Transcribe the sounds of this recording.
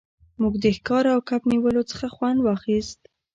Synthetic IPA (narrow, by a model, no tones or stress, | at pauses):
muɡd̪əxkɑɾawkapniwəlot͡sə̥xaxwand̪wɑxist̪